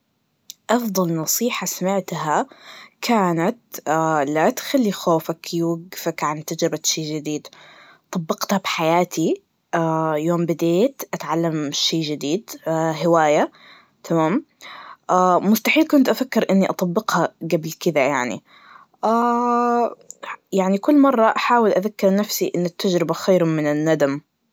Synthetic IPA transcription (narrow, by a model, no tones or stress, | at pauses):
ʔɑfd̪ˤɑlnɑsˤiːħasamɪʕt̪hakʰaːnat̪alat̪xalːixoːfakjuwaɡːfakʕant̪ad͡ʒɾɪbaʃeːd͡ʒɪd̪iːd̪ | t̪ˤɑbːɑqt̪habħajaːt̪ʰi | ʔajoːmbɪd̪eːt̪ʔat̪ʕalːamʃeːd͡ʒɪd̪iːd̪ɦɪwaːja | t̪ʰamaːm | ʔaːmʊst̪aħiːlkʊnt̪ʔafakːɪɾʔɪnːiʔɑt̪ˤɑbːɪqhaɡablkɪd̪ajaʕnḭ | ʔaː | jaʕnikʊlːmɑrˤːɑʔaħaːwɪlʔaðakːɪɾnafsiʔɪnːat̪ːad͡ʒɾɪbaxajɾmɪnɪnːad̪am